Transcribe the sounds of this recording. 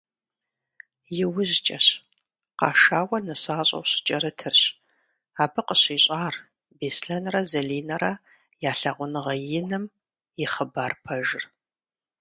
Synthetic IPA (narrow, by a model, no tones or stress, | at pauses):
jɪwʊʑt͡ʃʼɐɕ | qɑːʂaːwɐnɨsaːɕʼɐ̰wɕɪ̥t͡ʃʼɐɾɨtʰɨrɕ | aːbɨqəɕiːɕʼaːr | beːsɬɐnrɐzɐɮiːnɐɾɐ | jaːɬɐʁʷʊnɨʁɐjɪnɨm | jɪχəbaːrpʰɐʒɪr